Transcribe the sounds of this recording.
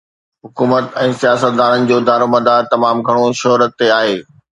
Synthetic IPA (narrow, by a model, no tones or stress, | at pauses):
ɦʊkuːmət̪ɛ̃ːsijaːsət̪̚d̪aːɽənɪ̆d͡ʑoːd̪aːɾomɐd̪ʱat̪ɐmaːmɡʱɐɽ̃oʃɐɦɾət̪ːeaːɦeː